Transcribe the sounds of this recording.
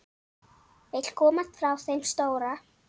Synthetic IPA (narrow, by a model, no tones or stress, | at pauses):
vejt̪l̥kʰɔːmat̪fɾawθejmst̪oːwɾa